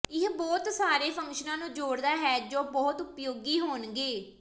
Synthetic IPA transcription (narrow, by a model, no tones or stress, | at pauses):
ɪɦbɔːt̪saːɾeːpʰə̃ŋkʃənãːnũːd͡ʒoːɽd̪aːɦɛːd͡ʒoːbɔːt̪ʊpjoːɡiːɦoːnɡeː